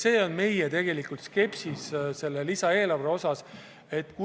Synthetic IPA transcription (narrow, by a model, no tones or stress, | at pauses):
se̞ːo̞nme̞jet̪e̞ɡ̥e̞likˑult̪ske̞psisse̞lːelisɑe̞ːlɑveo̞sɑs | e̞t̪ku